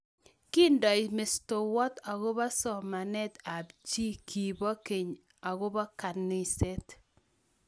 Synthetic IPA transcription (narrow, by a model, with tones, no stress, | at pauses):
ki˦ndɔ˨ɪ˨mɪ˨sto˨wɔ˦ta˨ɣʊ˦ba˦sɔ˦ma˨nɛ˦t̪a˨bt͡ʃi˦kʰi˨bɔ˦ke˨ɲ | a˨ɡo˦ba˦ka˨nɪ˦se˦t